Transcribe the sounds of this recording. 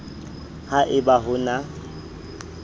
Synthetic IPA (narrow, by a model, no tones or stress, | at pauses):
haʔɪbaɦʊna